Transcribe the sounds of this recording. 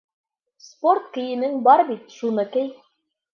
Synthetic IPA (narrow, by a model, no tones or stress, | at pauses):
sport̪̚kɘ̆jɘ̆nɘŋbɑɾbit̪ʃunɤkɘ̆j